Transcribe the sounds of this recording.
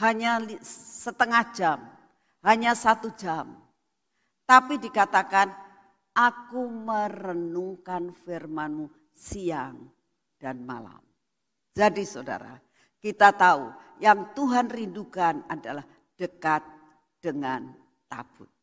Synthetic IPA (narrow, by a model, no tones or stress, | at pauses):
haɲalisət̪əŋahd͡ʒam | haɲasat̪ud͡ʒam | t̪apidikat̪akan | ʔakumərənuŋkanfirmanmu | siaŋ | d̥anma̰la̰m | d͡ʒadisoda̰ɾa̰ | kit̪at̪aujaŋt̪uɦanrindukanadalah | d̥əkat̪̚ | d̥əŋan | t̪a̰b̥ʊt̪̚